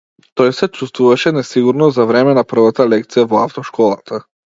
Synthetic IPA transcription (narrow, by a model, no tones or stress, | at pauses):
t̪ɔjsɛt͡ʃust̪vuvaʃɛnɛsiɡuɾnɔzavɾɛmɛnapr̩vat̪alɛk̚t̪sijavɔaft̪ɔʃkʰɔlˠat̪ʰa